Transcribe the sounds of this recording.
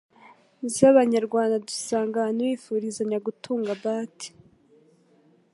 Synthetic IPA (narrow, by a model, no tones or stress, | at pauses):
zaβaɲaɾɡwaːndadusaːŋɡaniwiːfuɾizaɲaɡutʰuːŋɡabaːti̥